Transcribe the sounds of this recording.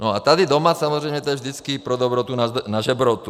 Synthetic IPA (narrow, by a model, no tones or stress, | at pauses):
nɔat̪ad̪id̪ɔmasamɔzɾɛjmɲɛt̪ɔɛvʒd̪it͡skipɾɔd̪ɔbɾɔt̪unanaʒɛbɾɔt̪u